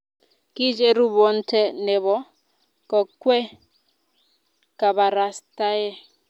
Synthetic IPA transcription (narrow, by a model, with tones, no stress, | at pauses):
ki˦d͡ʒɛ˦ɾu˦βɔ˨˦n̩˦tʰɛ˦nɛ˨βɔ˦ | kɔ˨kwɛ˦ | ka˨βa˨ɾa˨sta˦jɛ˦